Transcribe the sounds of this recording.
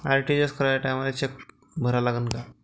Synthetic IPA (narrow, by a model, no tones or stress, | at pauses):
aɾʈid͡ʑeskəɾaaʈamalet͡ɕek̚ | bʱəɾalaɡənka